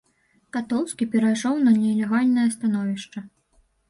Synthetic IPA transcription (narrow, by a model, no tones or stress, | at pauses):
kat̪ɔw̪ˠskʲipʲɛɾajʂɔwnɐnʲɛlʲɛɣalʲnɐjɐst̪an̪ɔvʲiʂt͡ʂɐ